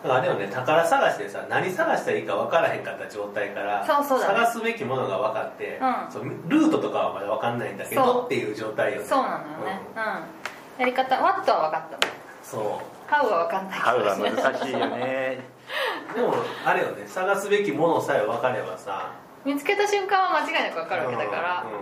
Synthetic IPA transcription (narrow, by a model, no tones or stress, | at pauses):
d̪akaɾe̞jone̞t̪akaɾasaɡaɕi̥t̪e̞sa̰naɲ̟isaɡaɕi̥t̪aiːkaβakaɾaɦẽ̞ŋkat̪ːad͡ʑo̞ːt̪aikaɾasosoːsaɡasɨbe̞kʲimo̞no̞ɡaβakat̪ːe̞ɯ̃somʲɾɯ̟ːt̪o̞t̪o̞kaβamad̪aβakanːaĩnd̪ake̞od̪ot̪ːe̞jɯ̟ːʑo̞ːt̪aijosoːnãnd̪ojoɯ̃neɯ̃ | jaɾʲikat̪aβat̪ːo̞βaβakat̪ːan | so̞ː | haɯɡaβakãnːai | e | d̪emoaɾejonesaɡasɨbe̞kʲimo̞no̞saeoβakaɾe̞basa̰ | mʲit͡sɨ̥ke̞t̪aɕɨ̃ŋkãɰ̃βamat͡ɕiɡainakɯβakaɾɯet̪aka̰ɾaɯ̃